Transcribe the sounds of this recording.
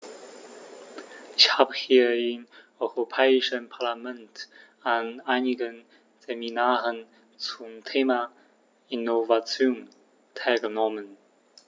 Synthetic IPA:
ʔɪçhaːbəhiːɐɪmʔɔʏʁopʰɛːɪʃənpʰaɐlamɛnt | anaɪnɪɡən | z̥eminaːʁən | t͡sumtʰeːma | inovat͡sjoːn | tʰaɪlɡənɔmən

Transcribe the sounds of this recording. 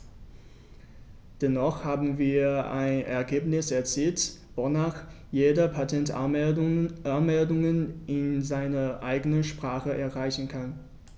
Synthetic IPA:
d̥ɛnɔχhaːbm̩viːɐa̰ɪnɛ̰ɐɡeːpnɪsɛɐt͡siːltvonaːχ | jeːdɐpʰatʰɛnt | anmɛldʊŋənʔɪnzaɪnɐʔaɪɡənəʃpʁ̥aːχəʔɛɐʁaɪçn̩kʰan

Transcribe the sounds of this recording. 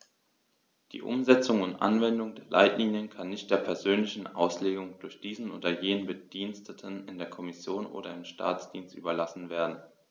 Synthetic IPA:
d̥ḭːʔʊ̰mzɛt͡sʊŋʊntʔa̰nvɛndʊŋdeːɐla̰ɪtliːnjənkʰanːɪçt̚d̥eːɐpʰɛɐzøːnlɪçn̩ʔa̰ʊsleːɡʊŋd̥ʊɐçd̥iːzn̩ʔoːdɐjeːnənbəd̥iːnstʰətʰənɪndeːɐkʰɔmɪsjoːnʔo̰ːɾɐɪmʃtʰa̰ːt͡sd̥iːnstʔy̰ːbɐlasn̩veːɐdn̩

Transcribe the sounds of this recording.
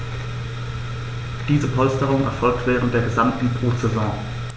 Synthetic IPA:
d̥iːzəpʰɔlstəʁʊŋɛ̰ɐfɔlk̚tv̥ɛːʁ̞əntd̥eːɐɡəzamtn̩bʁ̥uːt͡sezɔ̃ː

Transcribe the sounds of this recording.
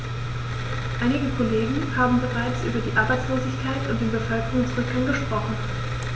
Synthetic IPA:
ʔaɪnɪɡəkʰoleːɡŋ̩haːbm̩bəʁaɪt͡sʔyːbɐdiːʔaɐbaɪt͡sloːzɪçkʰaɪtʊntd̥eːnbəfœlkəʁʊŋsʁ̥ʏkaŋɡəʃpʁ̥ɔχn̩

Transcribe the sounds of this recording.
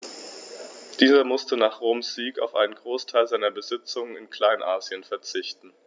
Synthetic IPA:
d̥iːzɐmʊstənaːχʁ̥oːmsz̥iːka̰ʊfʔa̰ɪnənɡʁoːstʰaɪlzaɪnɐbəzɪt͡sʊŋənɪnkʰl̥aɪnʔaːzjənfɛɐt͡sɪçtn̩

